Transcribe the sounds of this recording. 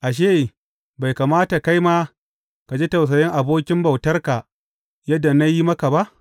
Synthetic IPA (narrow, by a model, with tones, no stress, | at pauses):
ʔa˨ʃ̬e˦˨ | ba˨jka˨maː˦ta˨ka˦jma˦ | ka˨d͡ʒe˦ta˨ws̬ɐ˨jɛ˦ŋʔa˨boː˦kʲɪ˦mbɐ˨wtɐ˦rka˨ | jɐ˦dːa˨na˦ji˦mɐ˦ka˨ba˦ʔ